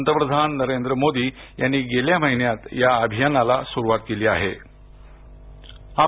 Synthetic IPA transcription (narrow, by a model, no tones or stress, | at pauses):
nt̪ɾəpɾəd̪ʱanːəɾend̪ɾəmod̪iːjanːiːɡeljaməɦinjat̪jaəbʱijanalasuɾuʋat̪keliːa̰ɦe | a